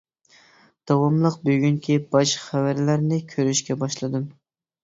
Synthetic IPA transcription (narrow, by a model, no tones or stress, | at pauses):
d̪̥ɑwɑmlˠəq̚bøɡʲyŋkʲʰibɑʃχævæɾlæɾnɪkʲʰøɾyʃkʲɛbɑʃlˠɨd̪ɨm